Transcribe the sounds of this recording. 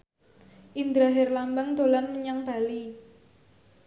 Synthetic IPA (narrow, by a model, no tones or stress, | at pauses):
ʔind̪ɾaɦɛrlambaŋd̪̥o̤lanməɲaŋb̥a̤li